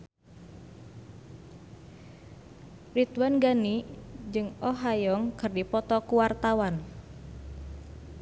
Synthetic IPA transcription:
rit̪wanɡanid͡ʒɨŋɔɦajɔŋkɨrdipɔt̪ɔkuwart̪awan

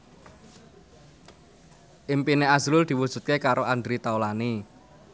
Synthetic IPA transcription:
ʔimpineaz̥ɾʊld̪̥i̤wud̥ʒ̥ṳt̪̚kekaɾoʔand̪ɾit̪aolani

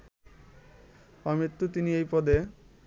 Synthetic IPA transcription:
ɔmit̪ːut̪iniejpɔd̪e

